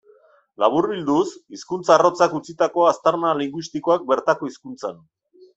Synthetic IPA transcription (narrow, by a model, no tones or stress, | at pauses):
laβ̞uɾβild̪usiskunt͡saro̞t͡sakut͡sit̪ako̞ast̪aɾnaliŋɡwist̪iko̞ak̚be̞ɾt̪ako̞iskunt͡san